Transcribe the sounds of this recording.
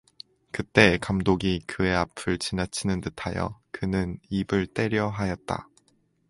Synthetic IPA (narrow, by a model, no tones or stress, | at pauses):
kɯt͈e̞kamdoɡikɯe̞apʰɯɭt͡ɕinat͡ɕʰinɯntɯtʰajʌ̰kɯnɯnibɯɭt͈e̞ɾjʌɦajʌt̚t͈a̰